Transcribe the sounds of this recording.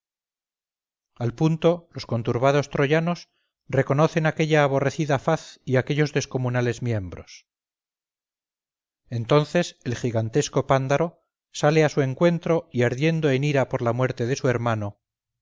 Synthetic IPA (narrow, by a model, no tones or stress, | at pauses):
alpunt̪o̞lo̞sko̞nt̪uɾβ̞að̞o̞st̪ɾo̞ʝano̞s | re̞ko̞no̞θe̞nake̞ʎaːβ̞o̞re̞θiðafaθiake̞ʎo̞zðe̞sko̞munale̞zmje̞mbɾo̞̰s | e̞nt̪o̞nθe̞se̞lxiɣant̪e̞sko̞pand̪aɾo̞ | sale̞asue̞ŋkwe̞nt̪ɾo̞iaɾðje̞nd̪o̞eniɾapo̞ɾlamwe̞ɾt̪e̞ðe̞sue̞ɾmano